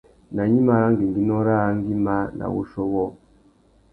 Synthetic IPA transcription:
na˨ɲi˦ma˨ɾa˦ŋɡi˨ŋ˨ɡi˦nɔ˦ɾa˦ŋ˦ɡi˦ma˦na̰˨wo̰˦ʃɔ˦wɔ˦

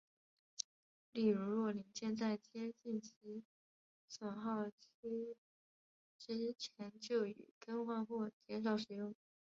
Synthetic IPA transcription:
li˥˩ɻu˧˥ɻwɔ˥˩li˧˥ŋɕjɛ˥˧nt͡sa˥˩ɪt͡ɕjɛ˥t͡ɕi˥˩nt͡ɕʰi˧˥ | sə˨˩ŋxɑ˥˩ʊt͡ɕʰ | ʈ͡ʂɻ̩˥t͡ɕʰjɛ˧˥nt͡ɕjo˥˩ʊy̰˨˩kə˥nxwa˥˧nxwɔ˥˩t͡ɕjɛ˧˥nʂ̬ɑ˨˧˥ʊʂɻ̩˨˩jʊ˥˩ŋ

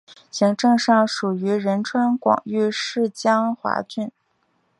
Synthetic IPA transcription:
ɕi˧˥ŋʈ͡ʂɤ˥˧ŋʂɑ˥˩ŋʂu˨˩y˧˥ɻə˧˥nʈ͡ʂʰwa˥nkwɑ̰˨˩ŋy˥˧ʂɻ̩˥˩t͡ɕjɑ˥ŋxwa̰˧˥t͡ɕy˥˩n

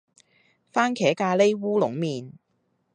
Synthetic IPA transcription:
faː˥nkʰɛː˨˥kaː˧le˥jwuː˥lʊ̰˨˥ŋmiː˨n

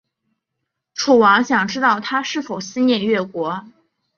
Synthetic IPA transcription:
ʈ͡ʂʰu˨˩wɑ˧˥ŋɕjɑ˨˩ŋʈ͡ʂɻ̩˥t̪ɑ˥˩ʊt̪ʰa˥ʂɻ̩˥˩fo˨˩ʊɕi˥nnjɛ˥˧nɥɛ˥˩kwɔ˧˥

